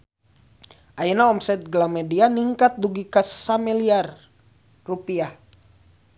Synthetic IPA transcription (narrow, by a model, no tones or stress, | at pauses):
ʔajənaɔmsɛt̪̚ɡlamɛdianiŋkat̪̚duɡikasamiliar | rupia